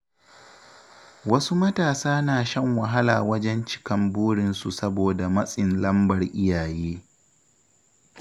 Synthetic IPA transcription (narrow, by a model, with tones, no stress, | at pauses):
wɐ˦su˦mɐ˦taː˨saː˦naː˨ʃɐ˦ŋwɐ˨ɦa˦la̰ː˨wɐ˦d͡ʒɛ˦nt͡ʃɪ̥˦kɐ˨mbuː˦ɽɪ˨nsu˨sɐ˦boː˨da˨mɐ˦sʼɪ˨nlɐ˦mbɐ˨rʔɪ˦jaː˨jeː˦